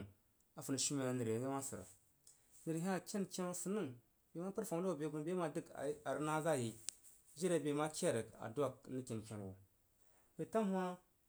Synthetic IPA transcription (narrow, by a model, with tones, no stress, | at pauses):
a˨fu˨n˨ʃi˦me˨na˨nə˨ɾe˨˦i˦ma˦si˨ɾa̰˨ | nə˨ɾɦi˦a˨kʲe˦nt͡ʃe˦na˦su˨nə˦ŋ | be˨ma˦pə˦ɾfa˨ŋ˦a˦wu˨be˨˦bu˦n˨be˦ma˨di˦ka̰˨˦a˨ɾə˦na˦za˦˨ji˨ | ʒi˦ɾe˨be˨ma˦ka˦˨ɾə˨ka̰˨du˦a˨kni˦ki˨n˨ke˨ɾ̰u˨ | be˨ta˦m˦hʷa˦